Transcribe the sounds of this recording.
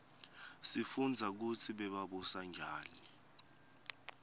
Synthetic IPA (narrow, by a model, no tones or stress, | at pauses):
sifund͡zʱak̬ut͡sʰiɓɛɓaɓɔsaŋd͡ʒʱaːni